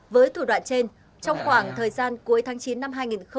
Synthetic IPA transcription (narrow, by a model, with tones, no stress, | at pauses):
vəː˨˦jt̪ʰu˧˩ɗwa̰ː˧˨nt͡ɕe˧n | t͡ɕɔ˧wŋ͡mxwaː˧˩ŋt̪ʰəː˨˩jzaː˧nku˨˦əjt̪ʰaː˨˦ŋt͡ɕi˨˦nːa˧mɦaː˧jŋi˨˩nxə˧